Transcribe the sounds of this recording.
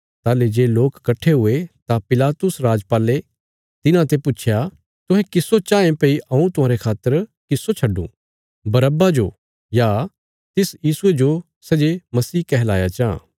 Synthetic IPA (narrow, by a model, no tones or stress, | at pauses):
t̪aːled͡ʒeːloːkːɐʈʰːeɦʊet̪apɪlaːt̪ʊsɾaːd͡ʒpaːle | t̪ɪnãt̪epʊːt͡ʃʰja | t̪ʊɦɛ̃kɪsot͡ʃãːẽpɐiɐ̃ũt̪ʊãːɾekʰaːt̪ːəɾkɪsːot͡ʃʰɐɖṵ̃ | bɐɾəbad͡ʒo̰ | ja | t̪ɪsjiːsued͡ʒo | sɐd͡ʒemɐsiːkɛɦlaːjat͡ʃã̰